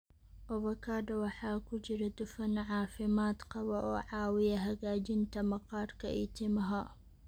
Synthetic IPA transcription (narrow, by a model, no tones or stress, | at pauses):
ʔɔβɐkʰaːdɐwɑħɑːkʰʊt͡ʃɪɾɐd̪ʊfɐnʕɑːfɪmaːd̪qɑβɐʔɔːʕɑːwɪjɐɦɐɣaːt͡ʃɪnt̪ʰɐmɐqɑːrkʰɐ̰ʔɪ̰t̪ʰɪmɐɦɐ